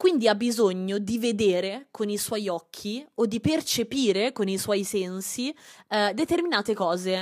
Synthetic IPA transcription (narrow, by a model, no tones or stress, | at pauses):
kwind̪iabːizoɲːod̪ived̪eːɾekoniswɔjɔkʰːiod̪ːipert͡ʃepiːɾekoniswɔjsɛnsid̪et̪erminaːt̪ekɔːze